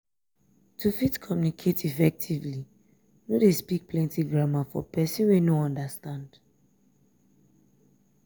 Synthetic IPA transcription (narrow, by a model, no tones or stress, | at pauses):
tʰufitkʰɔmjunikʰetifɛk̚tʰivli | nodespik̚plɛ̃ntiɡɹamafɔ̰pɛsĩnwenoɔ̃ndastãnd̥